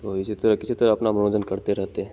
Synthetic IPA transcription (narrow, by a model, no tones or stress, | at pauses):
ʋoʋiset̪əɾəkit͡ɕet̪əɾapnamənod͡zənkəɾt̪eɾəɦt̪e